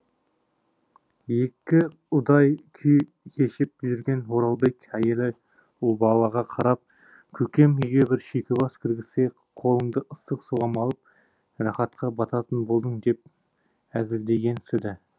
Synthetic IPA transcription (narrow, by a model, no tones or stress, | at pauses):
je̞kʲːɪ | ʊd̪ɑjkʲʰʏj | kʲʰe̞ʃɪp̚ːʒɪɾɡʲe̞nwo̞ɾɑlˠbe̞kʲæjelɪ | bɑlˠɑʁɑqʰɑɾɑp̚ | kʲʰɵkʲe̞miɡʲebɪɾʃekʲɪbɑskʲʰɪɾɡʲɪse | qʰo̞lˠəɴd̪əʔəst̪əqsuʁɑmɑlˠəp̚ | rɑχɑt̪qʰɑbɑt̪ɑt̪ənbo̞lˠd̪əɴd̪e̞p̚ | æzɪld̪e̞ɡʲe̞nsɪd̪ɪ